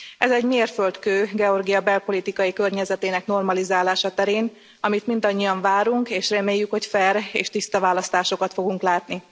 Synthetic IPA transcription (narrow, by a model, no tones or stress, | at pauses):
ɛzɛɟmeːrfølt̪køːɡɛo̞rɡijɒbɛlpo̞lit̪ikɒjikø̞rɲɛzɛt̪eːnɛkno̞rmɒlizaːlaːʃɒt̪ɛɾeːn | ɒmit̪mind̪ɒɲːijɒɱvaːɾuŋkeːʃrɛmeːjːykho̞cfɛrḛːʃt̪ist̪ɒvaːlɒst̪aːʃo̞kɒt̪fo̞ɡuŋklaːt̪ni